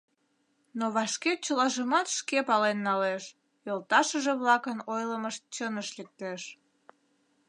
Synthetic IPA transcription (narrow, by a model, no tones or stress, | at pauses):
noβɑʃket͡ɕəlɑʒəmɑt̪ʃkepɑlenːɑleʃ | jolt̪ɑʃəʒeβlɑkənojləməʃ̚t͡ɕənəʃlek̚t̪eʃ